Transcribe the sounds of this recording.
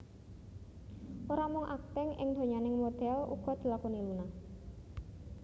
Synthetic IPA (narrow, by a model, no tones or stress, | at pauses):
ʔoɾamʊŋʔa̰k̚t̪ɪŋɪ̰ŋd̪̥o̤ɲanɪŋmod̪̥ɛlṵɡ̥ɔ̤d̪̥i̤lakoniluna